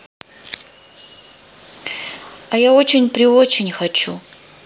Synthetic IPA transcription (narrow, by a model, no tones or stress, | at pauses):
ajao̞t͡ɕɪnʲpɾʲiot͡ɕɪnʲxɐt͡ʃʰu